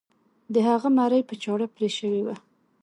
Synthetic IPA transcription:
d̪əhaɣamaɾajpət͡ʃɑɽapɾeʃəwewa

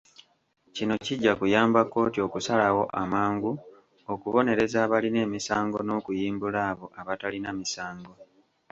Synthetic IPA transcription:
cino̞ciɟːakujaːmbakːo̞ːtio̞kusalawo̞ʔamaːŋɡu | okuβo̞ne̞ɾe̞zaːβaline̞ːmisaːŋɡo̞no̞ːkujiːmbulaːβo̞ʔaβatalinamisaːŋɡo̞

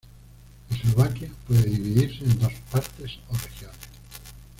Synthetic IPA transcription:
esloβakjapweðeðiβ̞iðiɾseːnd̪ospaɾt̪esorexjones

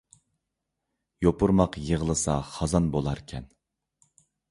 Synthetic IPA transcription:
jopʰuɾmɑqjəʁəlˠɨsɑχɑzɑnbolˠɑɾkʲʰɛn

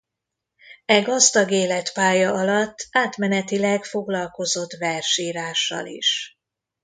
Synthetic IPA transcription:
ɛɡɒzd̪ɒɡeːlɛt̪paːjɒɒlɒt̪ːaːt̪mɛnɛt̪ilɛkfoɡlɒlko̞zo̞t̪ːʋɛrʃiːɾaːʃːɒ̰lḭʃ

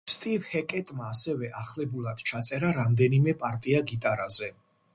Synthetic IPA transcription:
st̪ʼivhɛkʼɛt̪ʼmaːsɛvɛʔaχlɛbulˠad̪̥t͡ʃʰat̪sʼɛɾaɾamd̪ɛnimɛpʼaɾt̪ʼiaɡit̪ʼaɾazɛ

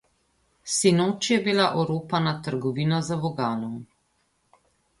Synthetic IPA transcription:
sinoːt͡ʃjɛbilaʔɔɾoːpanat̪əɾɡɔʋiːnazaʋɔɡaːnɔm

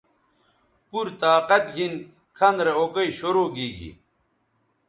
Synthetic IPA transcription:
puɾt̪aːqɐt̪ɡʱin | kʰɐnd̪ɾeokɐiɕoɾoːɡiːɡḭ

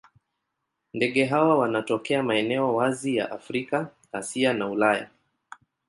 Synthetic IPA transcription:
ndɛɠɛɦawawanatɔkɛamaɛnɛɔwazija̰ʔafɾika | asianaulaja̰

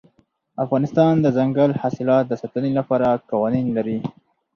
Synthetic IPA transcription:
afɣɑnɪst̪ɑnd̪əzaŋɡalhɑsɪlɑt̪̚d̪əsɑt̪ənelapɑɾakɑwɑninlaɾi

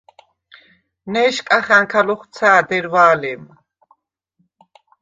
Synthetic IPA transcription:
nɛːʃkʼaχaŋkʰalɔχt͡sʰaːd̪ɛɾvaːlɛm

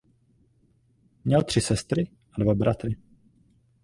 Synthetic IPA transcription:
mɲɛlt̪r̝̥ɪsɛst̪ɾɪ | ʔadvabɾat̪ɾɪ

